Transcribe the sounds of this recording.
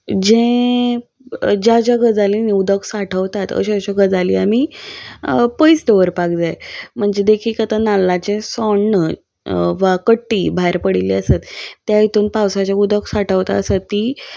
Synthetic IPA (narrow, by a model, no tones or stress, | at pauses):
d͡ʑẽ | d͡ʑat͡ɕaɡəd͡zaliniud̪əksaʈʰəʋt̪at̪ə̰ɕaəɕaɡəd͡zaliami | pəjsd̪eʋəɾpak̚d͡zajm̤əɳd͡zed̪ekʰiːkət̪ənalːat͡ɕesɔɳːə | ʋakəʈːiːbʱaɾpəɽiliəsat̪ːjait̪uːnpawsat͡ɕaud̪əksaʈʰəʋt̪aəsət̪ːi